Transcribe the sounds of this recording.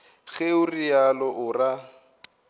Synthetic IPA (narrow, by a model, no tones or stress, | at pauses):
ɣeʊrijalɔʔʊra